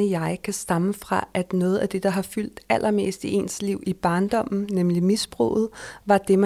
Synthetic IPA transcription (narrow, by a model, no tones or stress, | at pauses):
əjɑ̈ɪkʰæsd̥ɑ̈məfʁɑ̈ʔæd̥nɔ̽ːð̩ˠæd̥e̝d̥ɑ̈ɦɑ̈fyl̰d̥æl̰ʔɐme̝̰ːsd̥iʔe̝̰nsliʊ̰ib̥ɑ̈ːnd̥ɒ̽m̰n̩nemlimisb̥ʁɔ̰ːð̞̩ˠʋɑ̈d̥e̝mæ